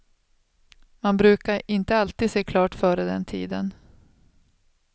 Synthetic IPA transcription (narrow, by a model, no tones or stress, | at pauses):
manbɾʉ̟ːkaɾɪnt̪əalt̪iːd̪seːkʰlɑːʈfœːɾəd̪ɛ̰nt̪ʰḭːd̪ə̰n